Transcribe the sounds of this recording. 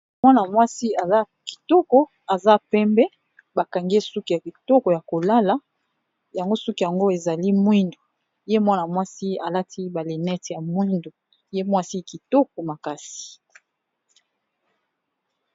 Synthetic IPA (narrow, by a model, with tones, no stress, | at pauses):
mwa˦na˨mwa˦si˦a˨za˦ | ki̥˨tɔ˦kɔ˦ | a˨za˦pɛ˦mbɛ˦ | ba˨ka˨ŋɡe˦su˦ki˦ja˨ki˨tɔ˦kɔ˨ja˨ko˨la˦la˨˦ | ja˨ŋɡo˦so˦ki˦ja˨ŋɡo˦e˨za˨li˦mwi˦ndo˨ | je˦mwa˦na˨mwa˦si˦a˨la˦tʰi˦ba˨le˨nɛ˦tja˨mwi˦ndo˨ | je˦mwa˦si˦ki˨tɔ˦k̚ɔ˨ma˨ka˨si̥˨